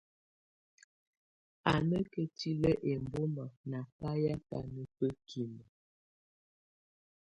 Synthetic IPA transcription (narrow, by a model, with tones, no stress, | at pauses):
a˨nə˦kə˨ti˦lə˦ʔe˨mbo˦ma˨na˨pa˦ja˦pa̰˨nə˦pə˦kʰi˨mə˨